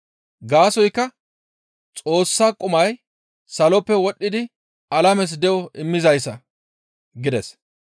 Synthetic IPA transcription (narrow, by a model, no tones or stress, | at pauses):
ɡaːsɔjkːɐ | t͡sʼo̞ːsːaːkʼʊmɐj | sɐlɔpːɛwɔɗːɪd̪ɪ | ɐlɐmɛs̬d̪ɛʔɔɪmːɪzɐjsːɐ | ɡɪd̪ɛs